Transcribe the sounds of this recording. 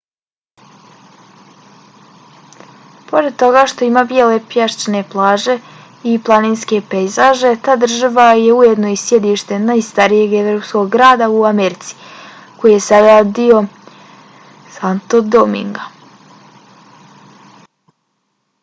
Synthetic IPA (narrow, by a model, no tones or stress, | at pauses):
po̞ɾed̪̚t̪o̞ɡaʃt̪o̞imaːbjele̞pjeʃt͡ʃne̞plˠaːʒe̞ | iplˠaniːnske̞pejzaʒe̞t̪aːd̪r̩ʒaʋaje̞ujed̪no̞isje̞d̪iʃt̪e̞najst̪aɾije̞ɡevɾo̞ːpsko̞ɡɡɾaːd̪auameɾit̪si̥ | ko̞jijesajad̪io̞ | sant̪od̪omḭŋɡa